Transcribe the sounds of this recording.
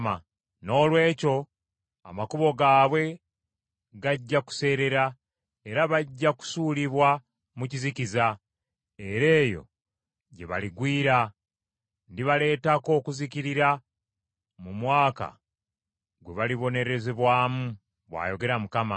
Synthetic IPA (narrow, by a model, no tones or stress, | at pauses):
a | no̞ːlwe̞ːco̞ | amakuβo̞ɡaːβwe̞ | ɡaɟːaku̥se̞ːɾe̞ɾa | e̞ɾaβaɟːaku̥suːliβwa | muciziciza | e̞ɾe̞ːjo̞̰ | ɟe̞βa̰liɡwiːɾa | ndiβale̞ːtako̞ːkuziciɾiɾa | mumwaːka̰ | ɡwe̞βaliβo̞ne̞ɾe̞zeβwaːmu | βwa̰ːjo̞ɡe̞ɾamukama